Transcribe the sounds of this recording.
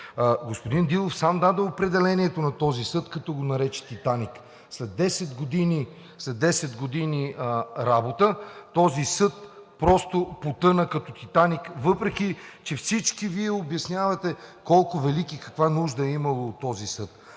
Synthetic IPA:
ɡospʊd̪ind̪ilˠofsamd̪ad̪əopɾɛd̪ɛlɛniɛt̪onɐt̪ɔzisɤt̪kɐt̪ɔɡonɐɾɛt͡ʃɛ̥t̪it̪anik | slɛd̪ɛsɛd̪ɡod̪ini | slɛd̪ɛsɛd̪ɡod̪iniɾabot̪ət̪ɔzisɤt̪̚pɾɔst̪opot̪ɤnəkɐt̪ɔt̪it̪anikvɤpɾɛk̟it͡ʃɛfsit͡ʃkiviɛobjɐsnʲjavɐt̪ɛkɔlˠkʊvɛlikikɐ̥kvanuʒd̪ɐɛimɐlˠoːt̪ːɔzisɤt̪

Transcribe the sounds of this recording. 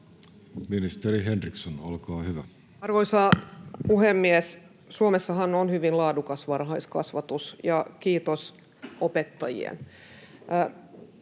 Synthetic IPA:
minist̪eɾiɦenriksonolkɑːhyʋæ | ɑrʋoisɑpuhemːies | suomesːɑhɑnonhyʋinlɑːdukɑsʋɑrɦɑiskɑ̰sʋɑt̪usjɑkiːt̪os | opet̪ːɑjḭḛn

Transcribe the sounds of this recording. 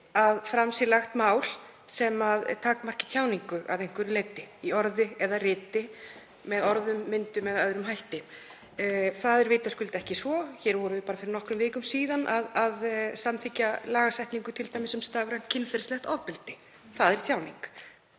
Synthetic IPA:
aðfɾamsɪɾlaxt̪maːwl̥ | sɛmaðt̪ʰaːkmar̥cɪ̥t̪ʰjaːwniŋkʏʔa̰ðejŋ̥kvʏɾɪlejt̪ɪiɔɾðɪɛðarɪːt̪ɪ | mɛðɔɾðʏmːɪnt̪ʏmɛðœðɾʏmɦajht̪ɪ | θaðɛɾvɪːt̪askʏlt̪ɛhcɪsvɔçɛɾvɔɾʏvɪpaːɾafɪɾɪɾnɔhkɾʏmvɪːkʏmsiːðanʔaðaðsamt̪ʰɪcːalaːɣasajht̪niŋkʏt̪ʰɪlt̪ajmɪsʏmst̪aːɣɾajn̥t̪cʰɪnfɛɾslɛhxt̪ɔvpɪlt̪ɪ | θaðɛɾ̥t̪ʰjaːwniŋk

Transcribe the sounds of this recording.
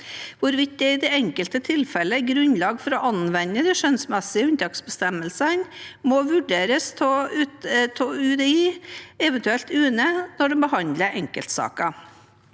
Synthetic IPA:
ʋʊɾʋɪt̪̚d̪ɛɪd̪ɛɛŋkəlt̪ət̪ʰɪlfɛləɡɾʉnlɑːɡfɔɾɔʔɑnʋɛnːəd̪ɛʃœnsmɛsɪəʉnt̪ʰɑksbəst̪ɛməlsənmɔʋʉɖeːɾəst̪ʰː | t̪ʰoːʉd̪ɛiːɛʋənt̪ʉɛlt̪ʉːnənɔɖɛmbəhɑnd̪ləɾʔɛŋkəlt̪sɑ̰ːkɑ

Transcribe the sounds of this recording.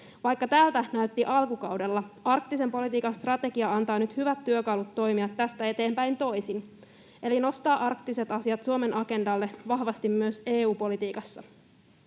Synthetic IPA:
ʋɑjkːɑt̪æːlt̪ænæyt̪ːiʔɑlkukɑwdelːɑɑrk̚t̪ise̞mpo̞lit̪iːkɑnst̪rɑt̪e̞ɡiɑɑnt̪ɑːnyt̪hyʋæt̪ːyøkɑlut̪ːo̞jmiɑt̪ːæst̪æe̞t̪e̞ːmpæjnt̪o̞jsin | ʔe̞lino̞st̪ɑːʔɑrkt̪ise̞t̪ɑsiɑt̪suome̞nʔɑke̞ndɑlːe̞ʋɑhʋɑst̪imːyøse̞ːuːpo̞lit̪iːkɑsːɑ̰

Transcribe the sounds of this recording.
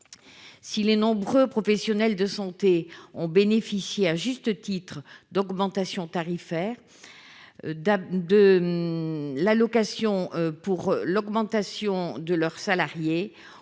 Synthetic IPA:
silenɔ̃bʁøpχɔfɛsjɔnɛld̪əsɑ̃t̪eɔ̃benefisjeaʒyst̪ət̪it̪χəd̪ɔɡmɑ̃t̪asjɔ̃t̪aʁifɛʁ | d̪ə | lalɔkasjɔ̃puʁlɔɡmɑ̃t̪asjɔ̃d̪əlœʁsalaʁje

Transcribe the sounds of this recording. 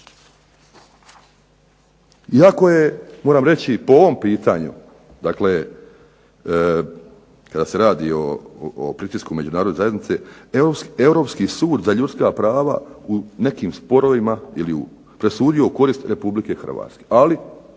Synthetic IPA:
iako̞je̞moːɾaːmɾe̞t͡ɕipooʋo̞mpiːt̪aɲṵ | d̪akle̞ | kad̪aːse̞ɾaːd̪ḭoːpɾit̪iskume̞d͡ʒunaːɾod̪ezaje̞d̪nit̪se̞eɾoewɾo̞ːpskisuːd̪zaʎut̪skapɾaːʋa̰une̞kiːmspo̞ɾo̞ʋimailiṵ | pɾe̞suːd̪ioko̞ɾiːst̪ɾe̞publike̞xr̩ʋa̰ːt̪ske̞ʔali

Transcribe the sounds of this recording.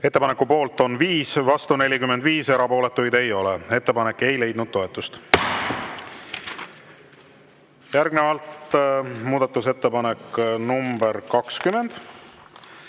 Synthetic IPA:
e̞t̪ːepɑne̞kːupo̞ːlt̪o̞nviːsvɑst̪une̞lʲikymːed̪viːse̞ɾɑpo̞ːle̞t̪ːˑujd̪e̞jo̞lee̞t̪ːe̞pɑne̞kːe̞jle̞jd̪nud̪̥̚t̪ːo̞e̞t̪ːˑust̪ | jæɾɡne̞vɑlt̪muːd̪̥ɑt̪ːˑus̬e̞t̪ːe̞pɑne̞kːnumb̥e̞ɾkɑkskyme̞nd̪̥

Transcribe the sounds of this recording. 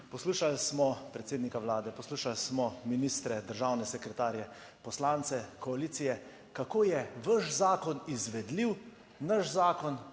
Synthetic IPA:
pɔsluːʃalsmɔpɾɛt̪seːd̪nikawlaːd̪ɛpɔsluːʃalsmɔminiːst̪ɾɛd̪əɾʒaːwnɛsɛkɾɛt̪aːɾjɛ | pɔslaːnt̪sɛkɔaliːt̪sijɛ | kakoːjɛʋəʃzaːkɔnizʋɛd̪liw | nəʃzaːkɔn

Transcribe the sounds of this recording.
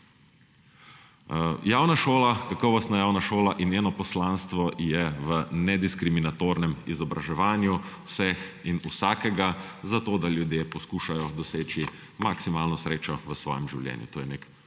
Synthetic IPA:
jaːwnaʃoːlakakɔʋɔst̪najaːwnaʃoːlaʔinjeːnɔpɔslaːnst̪ʋɔjɛʋənɛd̪iskɾiminat̪oːɾnɛmizɔbɾaʒɛʋaːnjuwsɛxinusaːkɛɡazat̪oːd̪aljud̪jeːpɔskuːʃajɔd̪ɔseːt͡ʃi | maksimaːlnɔsɾeːt͡ʃɔʋəsʋɔ̰ːjɛmʒiwljɛ̰ːnjṵt̪oːjɛnek

